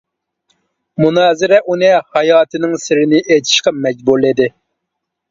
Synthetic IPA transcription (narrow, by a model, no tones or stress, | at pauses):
munɑːzɪɾɛʔunɪhɑjɑːt̪ʰɨnɪŋsɪɾɪnɪʔet̪ʰi̥ʃqɑmɛd͡ʒbuɾlɪd̪ɪ